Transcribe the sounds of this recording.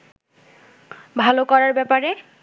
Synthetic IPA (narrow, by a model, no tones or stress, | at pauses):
bʱalokɔɹaɹbɛpaɹe